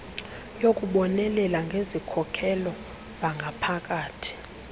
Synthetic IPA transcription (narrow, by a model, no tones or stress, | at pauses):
jok̬ʼuɓɔnɛlɛlaŋɡʱezikʰɔkʰɛlɔ | zaŋɡʱapʰak̬ʼaːtʰi̥